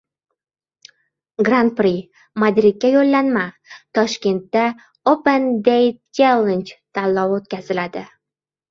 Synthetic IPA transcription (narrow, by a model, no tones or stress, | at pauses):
ɡɾant̪̚pɾi | mad̪ɾid̪̚kʲajolːanma | t̪ʰɒʃkʲe̞nt̪ːa | opend̪ejt͡ʃelˠend͡ʒt̪ʰalːɒwot̪̚kʲazɪlad̪ɪ